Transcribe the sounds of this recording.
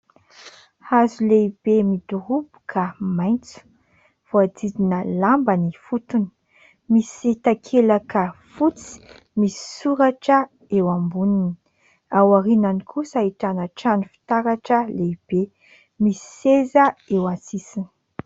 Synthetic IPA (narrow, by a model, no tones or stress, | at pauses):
hazuleibemid̪uɾubu̥kʰamajnt͡su̥ | v̥oad͡z̪id̪inəlambanifut̪uni̥ | misit̪akʰelakəfut͡si̥ | misi̥suɾaʈ͡ʂə | ewambunini̥ | awaɾinanikʰusaiʈ͡ʂanəʈ͡ʂanifi̥t̪aɾaʈ͡ʂəleib̥e | misi̥ezəewasisini̥